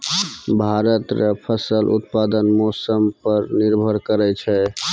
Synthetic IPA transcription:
bʱaɾət̪ɾəpʰəsəlʔṵt̪̚pad̪ənmosəmpəɾniɾbʱəɾkəɾɛt͡ʃʰɛ

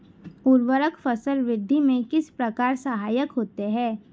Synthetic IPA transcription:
uɾʋəɾəkfəsəlʋɪd̪ʱːimẽkɪspɾɐkaːɾsəɦaːjəkɦoːt̪eɦɛ̃ː

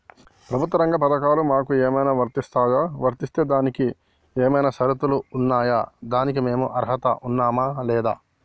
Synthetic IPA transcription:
pɾɐbʱut̪ʋɐɾɐŋɡɐpɐd̪ɐkaːlumaːkueːmɐjnaːʋɐɾt̪ist̪aːjaːʋɐɾt̪ist̪eːd̪aːniki | eːmɐjnɐsɐɾɐt̪uluːnːaːjaːd̪aːnikime̞ːmuʔɐɾɦɐt̪ɐ̰ʔunːaːmaːlɛːd̪aː

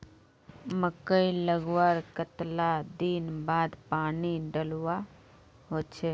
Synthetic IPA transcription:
məkəiləɡwəɾkət̪lad̪iːnbaːd̪paːniɖəlwa | ɦoːt͡ʃʰeː

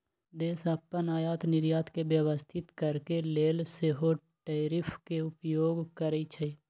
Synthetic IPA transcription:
d̪eːsəpːənaːjaːt̪nɪɾjaːt̪kebjəʋəst̪ʰɪt̪kəɾkeleːlseɦo | ʈeːɾɪpʰkeʊpjoːɡkəɾeit͡ʃʰe

